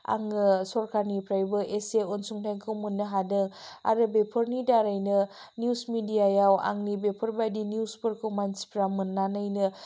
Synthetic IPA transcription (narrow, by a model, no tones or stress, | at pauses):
a̰ŋsɔɾkʰaɾnipɾajbɯʔeseonsuŋtʰajnkʰɯwmunːɯɦadɯŋa̰ɾɯbepʰɯɾnidaɾajnɯnjusmidijajawa̰ŋnibepʰəɾbajdinjuspɯɾkʰɯwmanspɾamɯnːanajnɯ